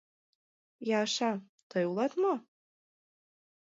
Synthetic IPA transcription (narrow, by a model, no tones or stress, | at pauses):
jɑʃɑ | t̪ɤjulˠɑt̪mo